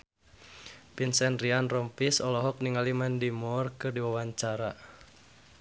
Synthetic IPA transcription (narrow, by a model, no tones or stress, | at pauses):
pinsɛnrianrɔmpisɔlɔɦɔk̚niŋalimandimɔrkɨrdiwawaɲt͡ʃaɾa